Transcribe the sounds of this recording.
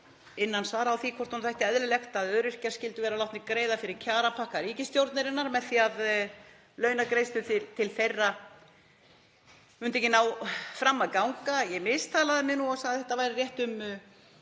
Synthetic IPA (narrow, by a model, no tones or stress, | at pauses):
ɪnːansaɾawθikʰvɔɾ̥rt̪hunθajht̪ɪɛðɾʏlɛxt̪aðœːɾɪr̥cḁscɪlt̪ʏvɛːɾalawt̪mɪkɾeːjðafɪɾɪɾcʰaːɾapʰahkaɾiɛcɪst̪jowɾt̪nɪɾɪnːaɾmɛðθiað | lœːɥnakɾeːjst̪ʏt̪ɪt̪ʰɪlθejrːa | mʏnt̪ɛjcɪnawfɾamːaðkawŋkajɛmɪst̪ʰaːlaðɪmɪnuɔɣsaɣðɪθɛht̪avajɾɪrjɛht̪ʏm